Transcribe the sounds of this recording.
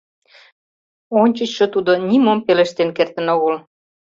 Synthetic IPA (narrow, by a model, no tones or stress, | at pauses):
onʲt͡ɕə̆t͡ɕʃə̆t̪ud̪onimompeleʃt̪enkert̪ə̆noɣəl